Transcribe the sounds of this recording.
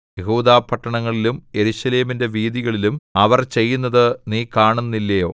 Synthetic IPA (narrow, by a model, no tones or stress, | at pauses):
jeɦuːd̪aːpʰːɐʈːɐɳɐŋːɐɭilumje̞ɾuɕɐle̞ːminde̞ʋiːðiɣɐɭilumɐʋɐrt͡ɕe̞jːunːɐðɨniːkaːɳunːilːɐjo̞̰ː